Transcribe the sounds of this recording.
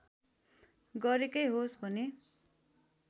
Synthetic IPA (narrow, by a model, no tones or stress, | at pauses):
ɡʌɾekʌjɦosbʱʌne